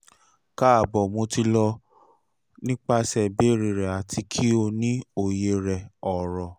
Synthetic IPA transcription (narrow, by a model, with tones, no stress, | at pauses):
ka˦a˨bɔ˨mo˧ti˧lɔ˧ | nĩ˦k͡pa˧sɛ˨be˨˦˨ɾi˨ɾɛ˨a˨tʰi˧kʰi˦o˧nĩ˦o˨je˧ɾɛ˨ɔ˨ɾɔ˨